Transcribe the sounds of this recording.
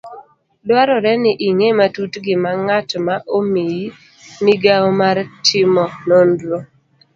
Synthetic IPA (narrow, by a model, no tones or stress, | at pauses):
dwaɾɔɾɛnɪʔiŋematutɡɪmaŋatmaʔomiji | niɡaomaɾtʰɪmɔnondlo